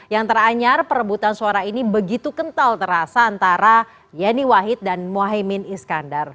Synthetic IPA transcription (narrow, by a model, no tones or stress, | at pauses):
jaŋt̪əraɲarpəɾəbut̪ansuaɾainibəɡit̪ukənt̪alt̪əɾasaːnt̪aɾa | janiwaɦɪt̪̚danmoaɦimɪniskandar